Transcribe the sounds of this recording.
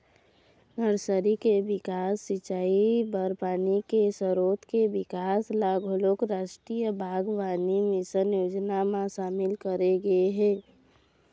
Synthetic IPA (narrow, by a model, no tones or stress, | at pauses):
nəɾsəɾikebɪkaːsːɪt͡ʃaːibəɾpaːnikesəɾoːt̪kebɪkaːslaɡolokɾaːʃʈɾijəbʱaːɡʋanimɪsənjoːd͡ʒnamãsaːmɪlkəɾeɡəeɦɛ̃ː